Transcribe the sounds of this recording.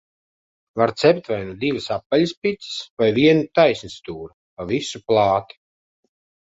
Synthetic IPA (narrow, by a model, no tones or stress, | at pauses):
vaɾt̪sɛpt̪vajnud̪ivɨsapːalaspʲit̪sɨ̥svajviɛnut̪ajsnist̪uːɾu | pavisuplˠaːt̪i̥